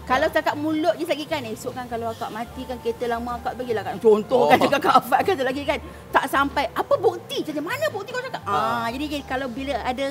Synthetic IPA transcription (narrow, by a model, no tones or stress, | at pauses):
kalawstakat̪̚mũloʔ̚d͡ʒislaɡikanesoʔkankalawakaʔmãt̪ikanket̪əlamaakaʔspaɡilakaʔt͡ʃont̪ɔhkantəɡaʔkaʔafaʔ̚kantəlaɡikan | t̪aʔsampajʔapəbuk̚t̪it͡ʃat̪əmanãbuk̚t̪ikalasakat̪ad͡ʒadid͡ʒaikalawbiləada